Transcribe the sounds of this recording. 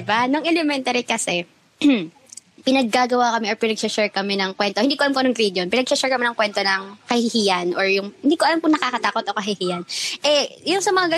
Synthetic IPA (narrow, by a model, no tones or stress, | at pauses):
ɪbanoŋʔɛlɛmɛnt̪ɐɾikɐsɛ | pɪnɐɡ̚ːaːɡɐwaːkɐmɛʔɔɹpɪnɐɡ̚sɛt͡ʃɛɹkɐmɛnɐŋkwɛnt̪oɪnd̪ikoɐlamkoɐnɐŋɡɾid̪jonpɪnɐɡ̚sɛt͡ʃɛɹkɐmɛnɐŋkwɛnt̪onɐŋkɐhɪhiːjɐnʔoɹjʊŋhɪnd̪iːkoʔɐlamkʊŋnɐkaːkɐt̪aːkot̪ʔokɐɦɪhiːjɐnʔɛjʊŋsɐmɐŋaɡɐ